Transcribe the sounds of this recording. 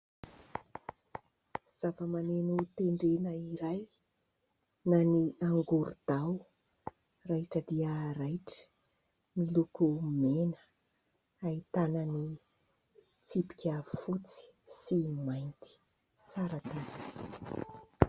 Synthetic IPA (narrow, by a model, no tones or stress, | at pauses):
z̥avəmanenut̪eɳɖ͡ʐenəiɾaj | naniaŋɡuɾud̪̥aw | raʈ͡ʂəd̪iəɾajʈ͡ʂə̥ | milukumenə̥ | ait̪anəni | t͡sipi̥kʲafut͡si̥simajnt̪i̥ | t͡saɾət̪an